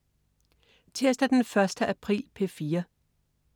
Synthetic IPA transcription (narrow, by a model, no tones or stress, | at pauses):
t͡sʰe̝ɐsd̥æd̥enfɶɐsd̥əʔæpʰʁḭːlpʰe̝fiːɐ